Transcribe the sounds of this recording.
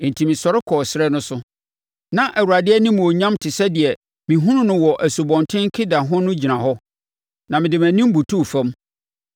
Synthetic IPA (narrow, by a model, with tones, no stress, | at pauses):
n̩˨tʰi˨mɪ̃˨sɔ˨ɾɪ˦kʰɔː˨sɾɛ˦nʊ̃˦sʊ˦ | nã˨ʔæ˨wu˨ɾa˨dɪ˦ɛ˦nɪ̃˦m̃˨o˨ɲã˦mtʰɪ˨sɛ˦dɪ˨ɛ˨ | mĩ˨ɦũ˦nʊ̃˦nʊ̃˦wɔ˨ʔæ˨su˨bɔ̃˨ntʰɪ̃˦ŋ˦kʰɪ˦da˨ɦʊ̃˦nʊ̃˦d͡ʑi˨nã˨ɦɔ˦ | nã˨mɪ̃˨dɪ˨m˨æ̃˨nĩ˦m˦bu˨tʰu˦˨fɛ̃˦m